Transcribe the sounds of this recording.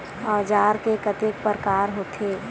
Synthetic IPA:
ɔːd͡ʒaːɾkekət̪ek̚pəɾkaːɾɦoːt̪ʰe

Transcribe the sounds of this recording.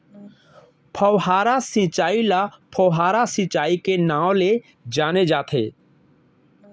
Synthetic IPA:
pʰəwɦaːɾasɪ̃t͡ʃaːilapʰəwɦaːɾasɪ̃t͡ʃaːikenãːwle | d͡ʒaːned͡ʒaːt̪ʰḛː

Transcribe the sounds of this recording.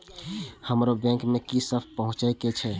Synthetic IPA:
həmɾobɛ̃ŋkmẽkisəb̚ʰpəɦʊ̃t͡ʃəket͡ʃʰɛ

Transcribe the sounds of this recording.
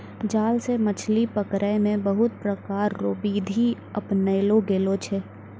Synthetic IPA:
d͡ʒaːlsemət͡ʃʰlipəkɾəemẽbəɦʊt̪̚pɾəkaːɾːoːbiːd̪ʱi | əpnəɪloɡeːlot͡ʃʰeː

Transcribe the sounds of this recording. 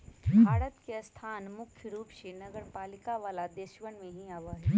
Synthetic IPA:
bʱaːɽət̪keɐst̪ʰaːnmʊkʰjəɾuːpʃinɐɡəɾpaːlɪkaʋaːlad̪eːʃʋənmẽɦĩaːʋaɦɛː

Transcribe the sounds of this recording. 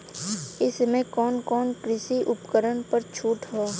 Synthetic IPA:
ɪsmẽkɔːnkɔːnkɾɪsiʔʊpkəɾənpəɾt͡ʃʰuːʈɦoː

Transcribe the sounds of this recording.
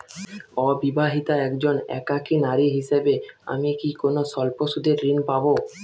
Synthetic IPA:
ɔbibaɦit̪aɛkd͡ʑonɛ̰kakinaɾiɦiʃebea̰mikikonoʃɔlpoʃud̪ʱeɾːinpabo

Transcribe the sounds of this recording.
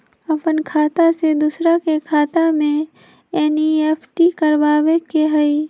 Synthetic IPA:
ɐpənkʰaːt̪ased̪usɾakekʰaːt̪amẽ | ɛnieːpʰʈikəɾbaːʋekeɦəi

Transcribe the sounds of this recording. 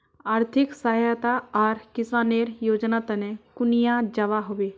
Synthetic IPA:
aːɾt̪ʰɪksaːɦjat̪aaːɾkɪsaːneːɾjoːd͡ʒnat̪ənekʊnijad͡ʒɐʋaɦoʋe

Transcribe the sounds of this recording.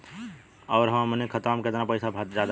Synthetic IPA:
ɔːɾɦəmnekʰət̪əmket̪napəɪsabʱat̪d͡ʒad̪

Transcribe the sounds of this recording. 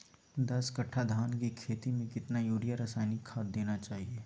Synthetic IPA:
d̪ɐskɐʈʰːad̪ʱaːnkikʰeːt̪imẽkɪt̪najuːɾijaɾəsaːɪnikʰaːd̪̚d̪eːnat͡ʃaːɦieː

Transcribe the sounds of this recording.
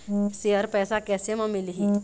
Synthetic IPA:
seəɾpɛːsakɛːsemãmɪlɦi

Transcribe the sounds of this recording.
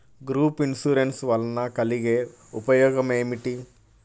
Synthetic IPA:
ɡɾuːpinsuɾensʋɐlnɐkɐliɡeː | ṵpɐjɔːɡɐmeːmiʈi

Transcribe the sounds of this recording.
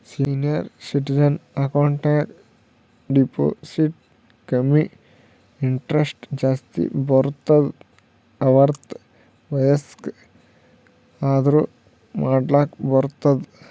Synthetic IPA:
siːnijɐɾsiʈid͡ʒɐnɐkoːɳʈaːk | ɖipo̰ːsiʈ | kɐmi | iɳʈɾesʈd͡ʒaːst̪ḭboɾt̪ːɐd̪ | ɐʋɐɾt̪ | ʋɐjɐsk | aːd̪ɾu | maːɖlaːkboɾt̪ːɐd̪

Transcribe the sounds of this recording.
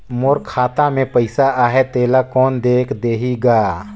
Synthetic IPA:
moɾkʰaːt̪amẽpəɪsaaːɦet̪eːlakɔːnd̪eːkʰd̪eːɦiɡaː

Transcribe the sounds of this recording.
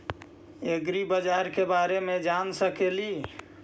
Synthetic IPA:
eɡɾibəd͡ʒaɾkebaɾemed͡ʒansəkeli

